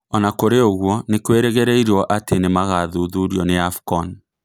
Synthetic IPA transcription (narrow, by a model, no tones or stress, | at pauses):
ɔnakoɾeoɣwɔnekweɾɛɣɛɾɛiɾɔʔatenemaɣaðuðuɾjɔneafkɔn